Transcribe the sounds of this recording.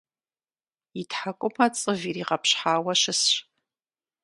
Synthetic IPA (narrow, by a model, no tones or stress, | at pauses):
itʰħakʷʼʊpʰat͡sʼɨviriːʁɐpɕħaːwɐʃɨsɕ